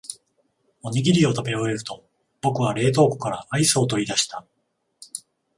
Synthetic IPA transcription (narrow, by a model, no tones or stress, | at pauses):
o̞ɲ̟iɡʲiɾʲio̞t̪abe̞ɾoe̞ɾɯ̟t̪o̞ | b̥o̞kɯ̟βaɾe̞ːt̪o̞ːko̥kaɾa̰ʔaiso̞ːt̪o̞id̪aɕi̥t̪a